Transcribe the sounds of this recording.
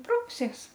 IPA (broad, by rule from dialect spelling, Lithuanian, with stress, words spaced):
ˈprɐʊsʲiɛs